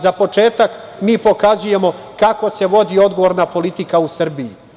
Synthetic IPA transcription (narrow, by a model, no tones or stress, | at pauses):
zapo̞t͡ʃe̞ːt̪ak | miːpo̞kazuje̞mo̞ | kako̞se̞ʋo̞d̪io̞d̪ɡoʋo̞ːɾnapo̞lit̪ikausr̩biḭ